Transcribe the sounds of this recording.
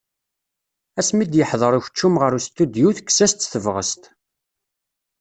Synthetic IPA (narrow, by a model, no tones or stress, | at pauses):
æsmid̪jəħðˤəɾˤʊç̥t͡ʃːumʁəɾust̪ːud̪juθkːsæst̪θəvʁə̰st̪